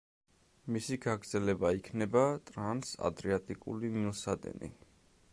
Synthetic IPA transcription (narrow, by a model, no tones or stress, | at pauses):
misiɡaɡɾd̪zɛlɛbaikʰnɛbat̪ʼɾansa̰d̪ɾiat̪ʼikʼṵliniusad̪ɛ̰nḭ